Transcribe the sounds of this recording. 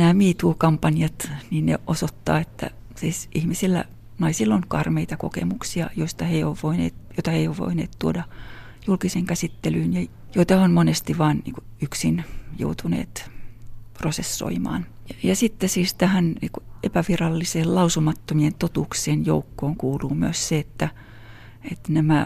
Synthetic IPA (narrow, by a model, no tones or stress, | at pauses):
næːmiːt̪uːkɑmpɑnjɑt̪niːnnḛʔosot̪ːɑ̰ːet̪ːæ̰ | siːsʔihmisilːæ̰ | nɑisilːoŋkɑrmeit̪ɑko̰kḛmuksiɑjoist̪ɑheioːʋʋoinḛːt̪joit̪ɑheioːʋʋo̰inḛːt̪t̪uodɑ | julkiseŋkæsit̪ːelyːnjɑ | joit̪ɑhonmonest̪iʋɑːnnḭːŋkuyksinjo̰ut̪ʰunḛːt̪ | prosesːo̰imɑ̰ːnjɑsit̪ːesiːst̪æhænnḭːkuepæʋirɑlːiseːllɑusumɑt̪ːomient̪ot̪uːkseːnjo̰ukːoːŋkuːluːmyøsseet̪ːæ | et̪næmæ